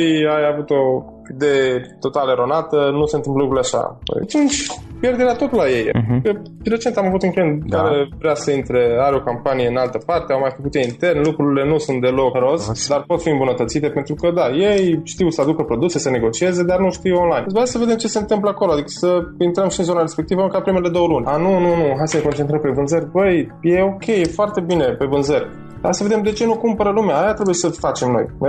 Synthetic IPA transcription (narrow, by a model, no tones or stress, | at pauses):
ijajavut̪o̞ | id̪e̞jet̪o̞t̪aleɾo̞nat̪ənuse̞nt̪ɨmpləlukɾuleaʃa̰t̪int͡ʃʲpje̞rd̪e̞ɾeat̪o̞t̪ulaje̞j̰kə | ɾe̞t͡ʃe̞nt̪amavut̪uŋkɾeent̪kaɾevɾeasəint̪ɾe̞aɾeo̞kampanije̞ɨnalt̪əpart̪eawmajfəkut̪eint̪e̞rnlukɾuɾile̞nusunt̪̚d̪e̞lo̞kɾo̞sd̪arpo̞t̪fiɨmbunət̪ət̪sit̪e̞pe̞nt̪ɾukəd̪aje̞jʃt̪iwsəad̪ukəpɾo̞d̪use̞səne̞ɡo̞t͡ʃie̞ze̞d̪arnuʃt̪iwonlajnbasəve̞d̪e̞mt͡ʃe̞se̞ɨnt̪ɨmp̬ləako̞load̪ikə̥səint̪ɾəmʃiɨnzonaɾe̞spe̞k̚t̪ivəamkat̪pɾime̞le̞d̪o̞wəlunʲanununuɦajsəne̞kont͡ʃent̪ɾəmpe̞vɨnzəɾʲbəjje̞o̞kʲʰe̞je̞foart̪e̞bine̞pe̞vɨnzərʲ | d̪asəve̞d̪emd̪e̞t͡ʃe̞nukumpəɾəlumeaːjat̪ɾe̞buje̞səfat͡ʃe̞mno̞̰j